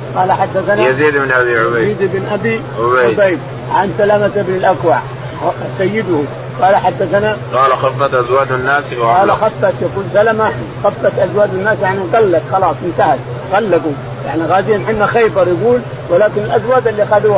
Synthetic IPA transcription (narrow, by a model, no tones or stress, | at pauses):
qɑːlaħad̪ːaθanaziːd̪bnʔabiʕʊbajziːd̪ɪbnʔabi | ʊbaʕʊbajb | aʔansalamat̪ɪbnɪlʔakwaʕ | sajːɪd̪hu | qɑːlaħad̪ːaθanaqɑːlaxɑfːɑt̪ʔazwaːd̪anːaːsɑːlaxɑfːɑt̪jaɡuːlsalama | xɑfːɑt̪ʔazwaːd̪anːaːsjaʕniɣalːat̪xɑlɑːsˤʔɪnt̪ahat̪̚ | ɣalːaɡu | ja̰ʕniɣaːzijːanħɪmːaxajbɑɾˤjɪɡuːl | wɪlaːkɪnalʔazwaːd̪alːixad̪u